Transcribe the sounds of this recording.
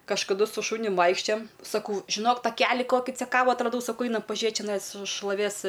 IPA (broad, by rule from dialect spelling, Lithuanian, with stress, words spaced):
kɐʃkɐˈdʊ sʊ ˈʃʊnʲʊm ˈʋɐɪkʃʲt͡ʃʲoːjɛm sɐˈkɐʊ ʒʲɪˈnoːk tɐˈkʲæːlʲɪ ˈkoːkʲɪ t͡sʲɛˈkɑːʋʊ ɐtrɐˈdɐʊ sɐˈkɐʊ ˈɐɪnɐm pɐˈʒʲiɛt t͡ʃʲɛˈnɐɪs ʃlˠoːˈʋʲeːs